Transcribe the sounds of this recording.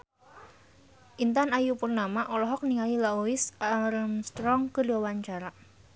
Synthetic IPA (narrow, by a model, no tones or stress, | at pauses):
ʔint̪anajupurnamaʔɔlɔɦɔk̚niŋalilaowɪsaɾəmst̪ɾɔŋkəduwawaɲt͡ʃaɾa